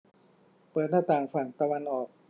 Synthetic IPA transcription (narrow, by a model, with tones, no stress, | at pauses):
pɤː˨˩t̪̚naː˥˩t̪aː˨˩ŋfa˨˩ŋt̪a˧wa˧nʔɔː˨˩k̚